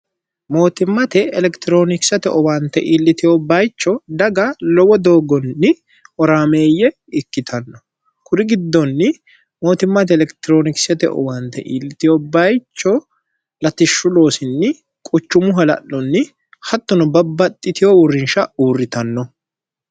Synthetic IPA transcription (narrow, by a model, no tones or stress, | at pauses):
mo̞ːt̪ɪmːɐt̪ɛːlɛkt̪ɪɾo̞ːnɪksɐt̪ɛʔɔwaːnt̪ːɛʔiːlːɪt̪ɪjɔbɐjt͡ʃːɔd̪ɐɡɐlɔwɔd̪o̞ːɡɔnːɪ | ɔɾaːme̞ːjːɛ | ɪkːɪt̪ʰɐnːɔ | kʰʊɾɪɡɪd̪ːɔnːɪ | mo̞ːt̪ɪmːɐt̪ɛɛlɛkt̪ɪɾoːnɪksɐt̪ɛ̰ʔɔ̰waːnt̪ːɛ̰ʔiːlːɪt̪ɪjɔbɐjt͡ʃːɔ | lɐt̪ɪʃːʊlo̞ːsɪnːɪ | kʼʊt͡ʃːʊmʊɦɐlɐ̰ʔːɔnːɪ | hɐt̪ːɔnɔbɐbːɐt̪ʼːɪt̪ɪjɔʊrːɪnʃɐuːrːɪt̪ɐnːɔ